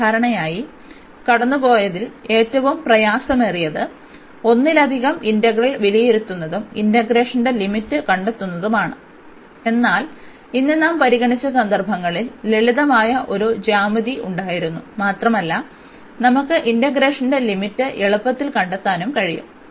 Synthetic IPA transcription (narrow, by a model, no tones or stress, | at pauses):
aːɾɐɳɐjaːji | kɐɽɐnːubo̞ːjɐðile̞ːtːɐʋumprɐjaːsɐmerijɐðɨ | o̞nːilɐd̪ʱiɣɐmindɐɣrɐɭʋilijeɾut̪ːunːɐðumindɐɡɾe̞ːʂɐnde̞limitːɨkɐɳɖet̪ːunːɐðumaːɳɨ | e̞nːaːl | inːenːaːmpɐɾiɣɐɳit͡ɕːɐsɐnd̪ɐrbʱɐŋːɐɭilːe̞ɭiðɐmaːjɐʔo̞ɾud͡ʑaːmɐðiʔuɳɖaːjiɾunːumaːt̪rɐmɐlːɐ | nɐmukːɨʔindɐɡɾe̞ːʂɐnde̞limitːɨʔeɭɐpːɐt̪ːilkɐɳɖet̪ːaːnumkɐɻijṵm